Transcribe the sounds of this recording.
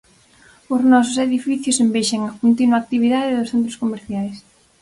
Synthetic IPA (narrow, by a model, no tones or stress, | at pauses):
ʊznɔs̬ʊseðifiθjʊsembejʃeŋɐkont̪inwaːk̚t̪iβ̞iðaðɪðʊsθẽnt̪̬ɾoskomeɾθjajs